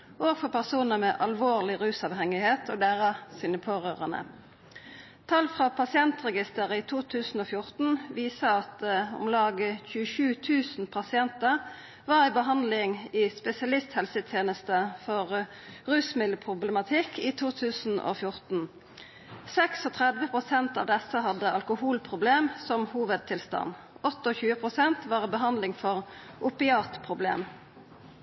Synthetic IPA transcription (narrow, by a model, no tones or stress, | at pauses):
ʔoːɡfɔʁpʰæʁsuːnəmeːʔɑlʋoːʁlɪʁʉːsɑʋhɛŋɪheːt̪ʰoːd̪æːʁɑsɪːnəpʰoːʁøːʁənə̰ | t̪ʰɑlfʁɑːpʰɑsɪɛnt̪ʁɛɡɪst̪əʁəiːt̪ʰuːt̪ʰʉːsn̩oːfjʊʁt̪n̩ʋiːsəɑt̪ʊ̰mlɑːɡəçʉːəʃʉːt̪ʰʉːsn̩pʰɑsɪɛnt̪əʁ | ʋɑːʁæɪbəɦɑnd̪lɪŋiːspɛsɪɑlɪst̪hɛlsət̪ʰjeːnəst̪əfɔʁ | ʁʉːsmɪləpʰʁʊbləmɑt̪ʰɪkʰːiːt̪ʰuːt̪ʰʉːsn̩o̰ːfjʊʁt̪n̩ | sɛksɔt̪ʰʁɛd̪ʋəpʁʊsɛnt̪ɑ̰ːʋd̪ɛsəɦɑd̪ːəɑlkʊhuːlpʰʁʊbleːmsɔmhuːʋəd̪̚t̪ʰɪlst̪ɑ̰n | ɔt̪ːəɔçʉːəpʰʁʊsɛnt̪ʋɑːʁbəɦɑnd̪lɪŋfɔʁʔʊpɪɑːt̪pʰʁʊblḛːm